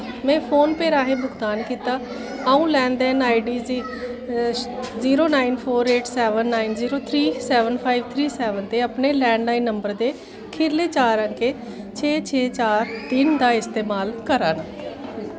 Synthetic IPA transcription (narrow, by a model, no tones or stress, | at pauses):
mɛ̃ːpʰoːnpeːɾaːɦẽːbʊkd̪aːnkiːt̪aː | aːũːlɛ̃ːnd̪ɛːnaːiɖiːziː | ziːɾoːnaːinpʰoːɾeːʈʰsɛːʋənːaːinziːɾoːt̪ʰɾiːsɛːʋənpʰaːiʋt̪ʰɾiːsɛːʋənt̪eːapneːlɛ̃ːɳɖlaːinːəmbəɾd̪eː | kʰɪɾleːt͡ʃaːɾəŋkeː | t͡ʃʰeːt͡ʃʰeːt͡ʃaːɾt̪ɪnd̪aːɪst̪eːmaːlkəɾaːnaː